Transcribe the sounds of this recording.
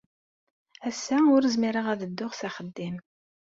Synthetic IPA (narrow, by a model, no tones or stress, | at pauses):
æsːæʊɾzmiɾəʁæðəd̪ːʊʁsæχəd̪ːim